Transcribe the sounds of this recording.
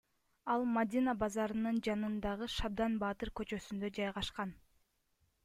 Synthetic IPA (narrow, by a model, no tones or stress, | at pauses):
ɑlˠmad̪ʲinabɑzɑɾɯnɯnd͡ʒɑnɯnd̪ɑʁɯʃɑb̚d̪ɑnbɑːt̪ɯɾkø̞t͡ʃø̞synd̪ø̞d͡ʒɑjʁɑʃqɑn